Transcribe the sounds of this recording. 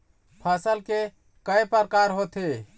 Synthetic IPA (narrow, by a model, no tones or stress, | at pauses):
pʰasəlke | kəjpəɾkaɾɦot̪ʰe